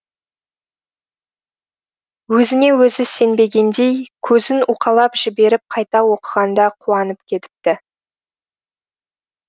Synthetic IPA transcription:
wɵzɪne̞wɵzɪse̞nbe̞ɡʲe̞nd̪e̞jkʲʰɵzɪnuqʰɑlˠɑpʒɪbe̞ɾɪp̚qʰɑjt̪ɑwo̞qəʁɑnd̪ɑqʰuɑnəpkʲʰe̞t̪ɪ̥p̚t̪ɪ

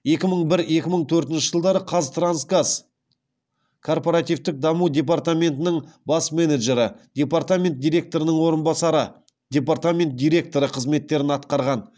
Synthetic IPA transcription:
e̞kʲɪməɴbɪɾe̞kʲɪməɴt̪ʰɵɾt̪ɪnʃɪʒəlˠd̪ɑɾəqʰɑzt̪ɾansɡaz̥ | kʰo̞rpo̞ɾat̪ivt̪ɪk̚d̪ɑmud̪ʲe̞part̪amʲe̞nt̪ɪnɪɴbɑsme̞neʒe̞ɾɪ̰d̪̥ʲe̞part̪amʲe̞nt̪̚d̪ʲijɾe̞k̚t̪o̞ɾənəɴwo̞ɾənbɑsɑɾə | d̪̥ʲe̞p̬art̪amʲe̞nt̪̚d̪ʲijɾʲe̞k̚t̪o̞ɾəqʰəzme̞t̪ːe̞ɾɪnɑt̪qɑɾʁɑn

